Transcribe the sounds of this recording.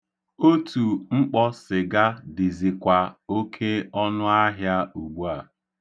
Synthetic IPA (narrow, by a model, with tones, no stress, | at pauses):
o˦tu˨ŋ͡m̩˦k͡pɔ˦sɪ˨ɡa˦dɪ˨zi˨kʷa˨o˦kʰe˦ɔ˦nʊ˦a˦ɦja˦u˨ɡ͡bu˦a˨